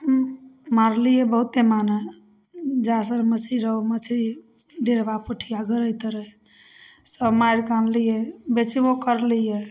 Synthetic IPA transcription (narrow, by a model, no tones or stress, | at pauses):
əmmaɾlijebəɦut̪ːemanə | d͡ʒasəɾməsʰiɾəomət͡ʃʰi | ɖeɾbapuʈʰijaɡəɾəjt̪əɾəj | səbmajɾkanlijebet͡ʃibokəɾlije